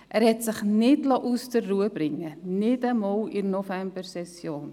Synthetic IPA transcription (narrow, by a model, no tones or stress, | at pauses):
ʔærɦɛtsəχnɛtlɑːʔustərːuəbrɪŋənɛtəmɔlˠirnovɛmbərsɛsjoːn